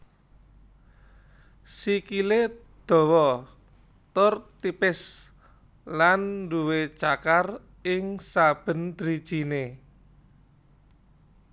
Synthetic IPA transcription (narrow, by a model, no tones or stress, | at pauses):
sikile | d̪̥ɔ̤wɔ | t̪ʊrt̪ipɪs | lanːduwet͡ʃakar | ɪŋsab̥ə̤nd̪̥ɾid̥ʒ̥i̤ne